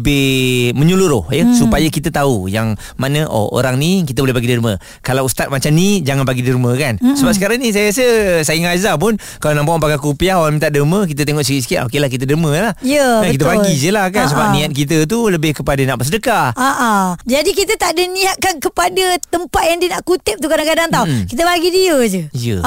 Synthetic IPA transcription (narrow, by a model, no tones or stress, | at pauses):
əbɪhməɲuluɾʊhjəsupajəkit̪ət̪aujaŋ | manəʔo̰ʔo̰ɾaŋnikit̪əbolɛhbaɡidiɾumə | kalawust̪at̪̚mat͡ʃamnid͡ʒaŋanbaɡidiɾuməkansəbapsəkaɾaŋnis̬ajəɾas̬əsaɪŋazap̬ʊn | kalanãmpaʔpakakupiaɦoɾaŋmĩnt̪aʔ̚dəmək̬it̪ət̪̬eŋɔʔskisə̥kaʔokelahk̬it̪̬ədəməlahjəakit̪əbaɡisəlahkans̬əbap̚nĩat̪̚kit̪̬ət̪̬uləbɪhkəpadənaʔpəsədəkaaʔad͡ʒadikit̪ət̪aʔdəniat̪̚kankəpadət̪əmpat̪̚jaŋdiənaʔkut̪ɪp̚t̪ukadakadaŋt̪aukit̪əbaɡidiəd͡ʒəjə̰